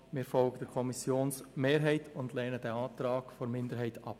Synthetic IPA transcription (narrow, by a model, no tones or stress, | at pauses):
mɪːɾfɔlɡ̥əd̥əkʰɔmɪsjoːnsmeːɾɦɛɪtʰʊndlɛːnəd̥ɛɑːtɾaːɡfoɾmɪndəɾɦɛɪtɑ̰p̚